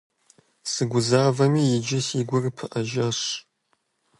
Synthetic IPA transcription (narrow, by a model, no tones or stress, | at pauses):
sɨɡʷʊzaːvɐmiːjɪd͡ʒɪsiːɡʷʊrpʰɨʔɐʒɐɕ